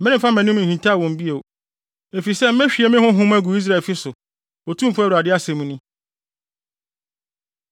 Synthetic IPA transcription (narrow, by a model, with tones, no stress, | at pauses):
mɛ̃˦ɾɪ̃˦fa˦m˨æ̃˨nũ˦˨hĩ˨ntʰa˦˨wɔ̃˨m˦bi˦e˨o˨ | e˨fi˨sɛ˦m̩˦mɛ̃˦ɕᶣi˨ɛ˨mɪ̃˦hʊ̃˦ɦʊ̃˦mæ˦ɡu˨i˦s̬ɾa˨lfɪ˦sʊ˨ | o˨tʰũ˦m̩˨fʊ˦ɾa˨dɪ˦a˦sɛ̃˨mũ˦nʊ̃˦